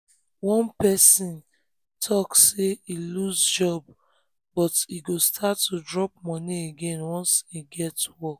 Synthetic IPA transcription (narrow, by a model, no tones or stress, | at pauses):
wɔ̃npɛsĩn | tʰɔkseiluzd͡ʒɔb̚ | bɔtiɡostʰatːudɹɔp̚mɔ̃nieɡẽnwɔ̃nsiɡɛtwɔ